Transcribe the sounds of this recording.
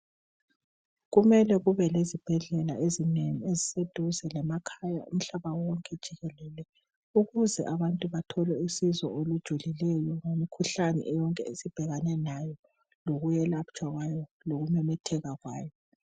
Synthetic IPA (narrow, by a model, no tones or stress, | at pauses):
ɣumɛlɛɣuβɛlezib̥ʱɛɮɛla̰ezineŋiezised̥ʱuzɛlɛmakʰaja̰ṵm̩ɬaβawɔŋkʼɛd̥ʒ̥ʱiɣɛlɛlɛ | uɣuzɛ̰ʔaβantʼuβatʰɔlɛisizɔ̰olud̥ʒ̥ʱulilɛjɔŋemikʰuɬanɛ̰ʔɛjɔŋkʼɛesib̥ʱɛɣanɛnajɔ | loɣujɛlapt͡ʃʼwaɣwajɔ | loɣumɛmɛtʰɛɣaɣwaːjɔ